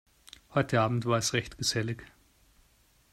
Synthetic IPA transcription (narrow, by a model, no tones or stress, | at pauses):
hɔʏtʰəaːbm̩tv̥aːɐɛsʁɛçtɡ̥əzɛlɪç